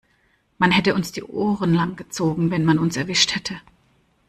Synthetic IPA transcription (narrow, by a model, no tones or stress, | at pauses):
manhɛtəʊnsd̥iːʔoːʁənlaŋɡ̥ət͡soːɡŋ̩vɛnmanʊnsɛɐvɪʃthɛtʰə